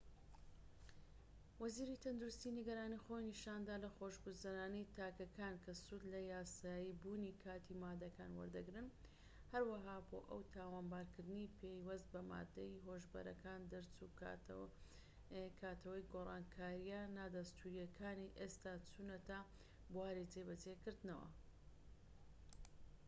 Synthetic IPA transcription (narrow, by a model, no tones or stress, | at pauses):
wɐziːɾit̪ʰɐnd̪uɾust̪iːniɡɐɾaːnixoːjniʃaːnd̪aːlɐxoːʃbɨzɐnaːnit̪ʰaːkɐkʰaːnkʰɐsud̪lɐjaːsaːjibuːnikʰaːt̪ʰimaːd̪ɐkaːnwɐ̰ɾd̪ɐɡɾɨn | hɐɾwɐɦaːboːʔɐwt̪ʰaːwaːnbaːɾkɨɾd̪ɨnipʰejwɐst̪̚bɐma̰ːd̪ɐjiɦoʒbɐ̰ɾɐ̰kaːnd̪ɨɾt͡su | kʰaːt̪ʰɐwɐjɡorˤɑːnkʰaːɾijanaːd̪ɐst̪ʰuɾijɐkʰaːniʔest̪aːt͡sʰunɐt̪aː | buaːɾit͡sebɐt͡sekɨɾd̪nɐwɐ̰